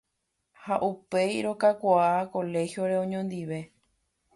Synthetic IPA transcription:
haʔupe̞jɾo̞kakʷaako̞le̞xjo̞ɾe̞õɲõnd̪iʋe̞

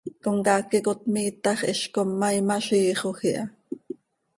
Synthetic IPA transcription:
koŋkɑːkːikot̪miːt̪ɑχʔɛʃkomːɑimɑʃiːχoxiʔɑ

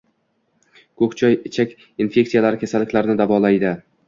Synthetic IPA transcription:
kʰɵkt͡ʃʰɒjɪt͡ʃʰakʲ | infe̞k̚ʲt̪sijalaɾɪkʲʰasalːɪkʲlaɾnɪd̪avɒlˠajd̪ɪ

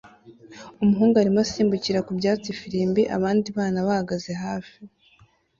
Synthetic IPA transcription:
umuɦuːŋɡuaɾimasiːmbuciɾakubjaːt͡sifiɾiːmbiʔa̰βaːndiβaːnaβahaɡaze̞ɦaːfi

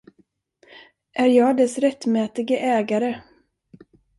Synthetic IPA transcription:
ʔæɾjɑːɡd̪ɛsɾɛt̪ːmɛːt̪ɪɡəʔɛːɡaɾə

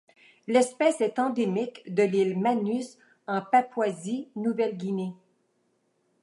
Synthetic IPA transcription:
lɛspɛsɛt̪ɑ̃d̪emikd̪əlilmanys | ɑ̃papwazinuvɛlɡʲine

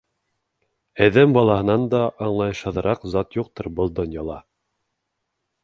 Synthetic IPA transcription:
æðæmbɑlˠɑhɤ̆nɑnd̪ɑʔːɴlˠɑjɤʃhɤ̆ðɤ̆ɾɑqzɑt̪juqt̪ɤɾbɤlˠd̪ŏnʲjɑlˠɑ

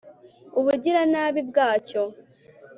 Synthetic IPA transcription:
uβuɟiɾanaːβibɡaːco̞

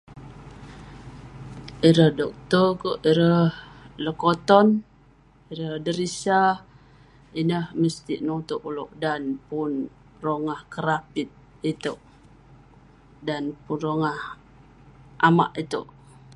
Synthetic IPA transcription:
iɾəhdɔk̚t̪ɔkoʔiɾəhləkot̪ɔn | iɾəhdəɾisa | inəhməst̪ḭʔnot̪oʔulo̰ʔdanpʊn | roŋahkəɾapit̪̚ | it̪əʔ | danpunroŋah | ʔama̰ʔit̪əʔ

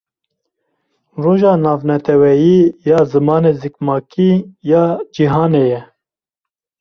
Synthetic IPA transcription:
roːʒɑːnɑːvnɛt̪ʰɛwɛjiːjɑːzɨmɑːneːzikmɑːkʰiːjɑːd͡ʒiɦɑːneːjɛ

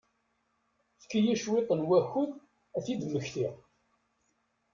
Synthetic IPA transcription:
θə̥kːijæʃwɪt̪ˤənwæxʊð | æθid̪məçθiʁ

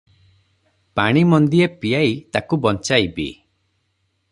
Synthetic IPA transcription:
paɽ̃imɔnd̪iepijajt̪akubɔnt͡ʃajbḭ

